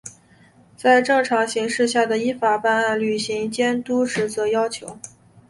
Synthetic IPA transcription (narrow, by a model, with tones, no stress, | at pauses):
t͡sa˥˧ɪʈ͡ʂɤ˥˩ŋʈ͡ʂʰɑ˧˥ŋɕi˧˥ŋʂɻ̩˥˧ɕja˥˩d̪ə˩i˥fa˨˩pa˥˧na˥˩nly˨˩ɕi˧˥ŋt͡ɕjɛ˥nt̪u˥ʂɻ̩˧˥t͡sɤ˧˥jɑ˥ʊt͡ɕʰjo˧˥ʊ